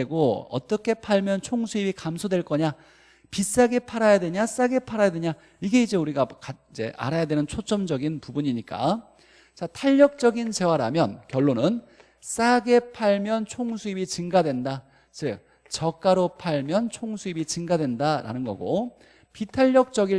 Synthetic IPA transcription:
eɡoʌ̰t͈ʌkʰe̞pʰaɭmjʌnt͡ɕʰoŋsʰuibikamsʰodwe̞ɭk͈ʌɲa | pis͈aɡe̞pʰaɾajadwe̞ɲas͈aɡe̞pʰaɾajadwe̞ɲa | iɡe̞id͡ʑe̞uɾiɡakaid͡ʑe̞̰ʔa̰ɾajadwe̞nɯnt͡ɕʰot͡ɕ͈ʌmd͡ʑʌɡinpubuɲiɲik͈a̰ | t͡ɕatʰaʎːʌk̚t͡ɕ͈ʌɡint͡ɕe̞waɾamjʌnkjʌɭːonɯn | s͈aɡe̞pʰaɭmjʌnt͡ɕʰoŋsʰuibit͡ɕɯŋɡadwe̞nda | t͡ɕɯ | t͡ɕʌk͈aɾopʰaɭmjʌnt͡ɕʰoŋsʰuibit͡ɕɯŋɡadwe̞ndaɾa̰nɯnɡʌ̰ɡo̰ | pitʰaʎːʌk̚t͡ɕ͈ʌɡi

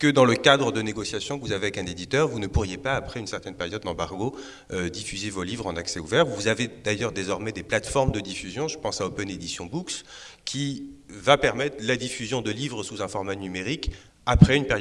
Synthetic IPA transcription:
kəd̪ɑ̃ləkad̪ʁəd̪əneɡɔsjasjɔ̃kəvuzaveɛkɛ̃ned̪it̪œʁvunəpuʁjepaːpχɛynsɛʁt̪ɛnpeʁjɔd̪ːɑ̃baʁɡo | ød̪ifyzevolivʁɑ̃naksɛuvɛʁuvuzaved̪ajœʁd̪ezɔʁmɛd̪eplat̪fɔʁmd̪əd̪ifyzjɔ̃ʒəpɑ̃saopɛned̪isjɔ̃bukskʲʰivapɛʁmɛt̪χlad̪ifyzjɔ̃d̪əlivʁəsuzɛ̃fɔʁmanymeʁik | apχɛynpeʁjɔ

